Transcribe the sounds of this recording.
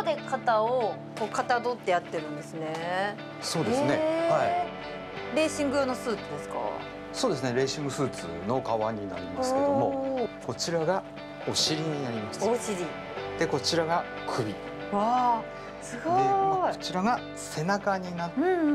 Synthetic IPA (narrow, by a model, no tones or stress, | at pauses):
d̪e̞kat̪aokoːkat̪ad̪o̞t̪ːe̞jat̪ːe̞ɾɯ̟̃nd̪e̞sɨne̞ | so̞ːd̪esne̞hai | ɾe̞ːɕĩŋɡɯ̟joːnosɨːt͡sod̪esɨ̥ka̰ | so̞ːd̪e̞s̬ɨne̞ɾe̞ːɕĩŋɡɯsɨːt͡sɨ̰no̞kaβaɲ̟ina̰ɾʲimasɨked̪o̞mo̞ko̞t͡ɕiɾaɡa | o̞ɕiɾʲiɲ̟inaɾʲimaɕi̥t̪oɕiɾʲi | d̪̥e̞ko̞t͡ɕiɾaɡa | kʰɯ̟bʲi | a | sɨɡoot͡ɕiɾaɡa | se̞nakaɲ̟ina